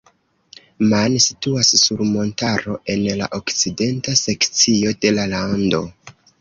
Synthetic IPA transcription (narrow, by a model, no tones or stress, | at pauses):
mansi̥tuasːuɾmo̞ntaɾo̞ʔe̞nla̰ʔo̞kt͡side̞ntase̞kt͡sio̞de̞lalando̞̰